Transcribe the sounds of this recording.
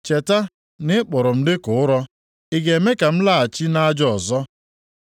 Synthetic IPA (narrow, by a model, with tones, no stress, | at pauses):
t͡ʃe˨ta˦ | nɪ˦k͡pʊ˨ɾʊ˨m̩˦dɪ˦kʊ˨˦ʊ˦ɾɔ˦ | ɪ˨ɡe˨e˨me˦ka˨m̩˦la˦˨a˨t͡ʃi˦na˦a˦d͡ʒɔ˦˨ɔ˨zɔ˦